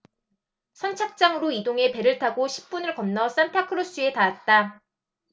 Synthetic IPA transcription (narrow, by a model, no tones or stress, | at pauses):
sʰʌnt͡ɕʰak̚t͡ɕ͈aŋɯɾoidoŋe̞pe̞ɾɯɭtʰaɡoɕʰi̥p̚p͈unɯɭkʌnnʌs͈antʰakʰɯɾos͈ue̞taat̚t͈a